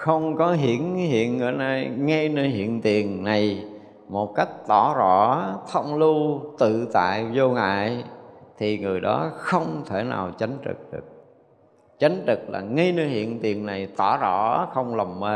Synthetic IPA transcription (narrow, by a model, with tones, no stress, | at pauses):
xə˧wŋ͡mkɔ˨˦ɦḭ˧˩˨ənɦḭ˧˨ənŋɨ̰˧˩na˧˩jŋa˧jnəː˧jɦḭ˧˨ənt̪i˨˩ənna˨˩j | mo˨˩t̚ka˦˥jk̚t̪ɔ˧˩zɔ˧˩t̪ʰə˧wŋ͡mlu˧t̪ɨ̰˧˨t̪a̰ː˧˨jzo˧ŋa̰ː˧˨jt̪ʰi˨˩ŋɨ˨˩əjɗɔ˨˦xə˧wŋ͡mt̪ʰe˧˩na̰ː˨˩wt͡ɕa˨˦jŋ̟t̪ɨ̰˨˩k̚ɗɨ˨˩ək̚ | t͡ɕa˨˦jŋ̟t̪ɨ˨˩k̚la̰ː˨˩ŋa˧jnə˧jhḭ˧˨ənt̪i˨˩ənna˨˩jt̪ɔ˧˩zɔ̰˧˩˥xə˧wŋ͡mlə˨˩wŋ͡mmə˨˦